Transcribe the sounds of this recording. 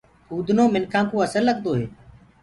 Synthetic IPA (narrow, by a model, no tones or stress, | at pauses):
huːd̪ʱnoːmɪnkʰãːkõːəsəlːəɠd̪oːɦeː